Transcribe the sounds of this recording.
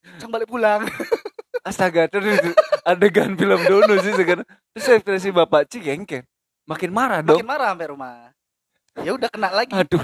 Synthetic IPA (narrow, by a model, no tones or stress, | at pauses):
t͡ʃaŋbalipulaŋ | asaɡat̪əut̪adəɡanfiləmdonosisɛkara | t̪ɾʊsɛft̪ɾɛs̬ibapat͡ʃikaŋkɛ | makɪnmaɾahdɔkŋnmaɾaampɛɾuma | jaudahkənaʔlaɡiadʊ